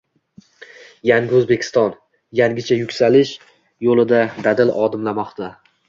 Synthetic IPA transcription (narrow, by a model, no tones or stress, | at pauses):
jaŋɡʲɪɵzbe̞kʲʰɪ̥st̪ɒn | jaŋʲɪt͡ʃʰajʊkʲsalɪʃ | jolˠɪd̪ad̪ad̪ɪlʔɒd̪ɪmlamɒqt̪ʰa